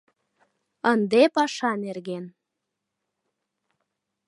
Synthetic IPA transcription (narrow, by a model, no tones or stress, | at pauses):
ənd̪epɑʃɑnerɣen